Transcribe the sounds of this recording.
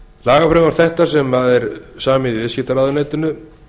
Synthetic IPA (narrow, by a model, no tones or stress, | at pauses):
laːɣafɾeŋɣaɾ̥θɛht̪asɛmaðɛɾsaːmɪðivɪscɪht̪aɾaːðʏneːjt̪ʏnːʏ